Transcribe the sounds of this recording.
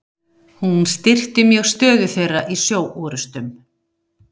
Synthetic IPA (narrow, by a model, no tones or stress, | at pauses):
hunst̪ɪr̥t̪ɪmjœɣst̪œːðʏθejrːaʔisjoːwʔuːɾʏst̪ʏm